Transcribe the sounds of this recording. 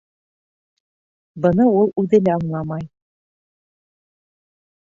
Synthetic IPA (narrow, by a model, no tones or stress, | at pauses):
bɤ̆nɤulˠʉðɘ̆læɑɴlˠɑmɑj